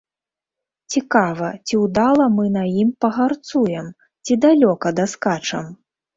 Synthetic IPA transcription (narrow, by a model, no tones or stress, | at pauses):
t͡sʲikavɐt͡sʲiwd̪alˠɐmɨnɐjimpɐɣart̪sujɛm | t͡sʲid̪alʲɔkɐd̪ɐskat͡ʂɐm